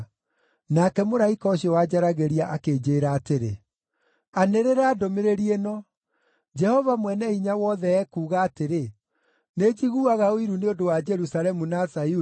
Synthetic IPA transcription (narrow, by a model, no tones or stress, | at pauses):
nakɛmoɾaikɔːɕiɔwad͡ʑaɾaɣeɾiaʔakeːd͡ʑeːɾaːteɾe | aneɾeɾaːdomeɾeɾienɔ | d͡ʒɛhɔvamwɛnɛiɲawɔːðɛɛkuːɣaːteɾe | ned͡ʒiɣuaɣaoiɾuneodowad͡ʒɛɾusalɛmunasau